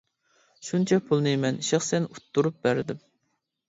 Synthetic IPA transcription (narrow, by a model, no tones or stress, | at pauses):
ʃunt͡ʃʰɛpʰulˠnɨmɛniʃɪχsɛnut̪ʰːuɾup̚bæɾd̪ɪm